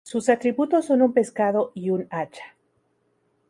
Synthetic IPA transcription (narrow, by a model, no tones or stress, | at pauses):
susat̪ɾiβut̪osːonumpe̞skaðoʔiunat͡ʃḁ